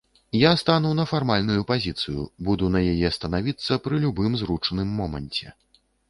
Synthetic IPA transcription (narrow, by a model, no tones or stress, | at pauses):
jast̪anuwn̪ɐfarmalʲn̪ujupazʲit̪sɨjṵbud̪un̪ɐjajɛst̪ɐnavʲit̪sːɐpɾɨlʲubɨmzrut͡ʂɐnɨmːɔmɐ̰nʲt͡sʲɛ̰